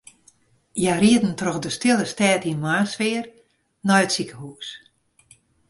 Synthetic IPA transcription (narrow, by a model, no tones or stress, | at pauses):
jariətn̩trɔxdəstɪlˠəstɛːtinmaːsʋɪːər | nɔjətsikə̥huːs